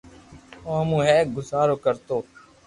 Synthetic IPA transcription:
õːɦəmũːɦɛːkɡʊsaːɾoːkəɾt̪oː

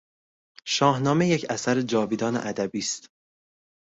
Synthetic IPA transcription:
ʃɒːhnɒːmejecʰæsæɾed͡ʒɒːviːd̪ɒːnḛʔæd̪æbiːst̪

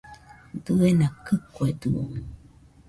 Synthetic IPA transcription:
dɨenakɨkoed̪uo̰

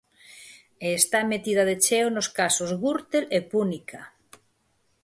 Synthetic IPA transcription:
eːst̪amet̪ið̞ɐðet͡ʃeonoskasozɣuɾt̪elepunikʰa

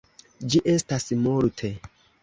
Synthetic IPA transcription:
d͡ʒiʔe̞stasmoɾtʰe

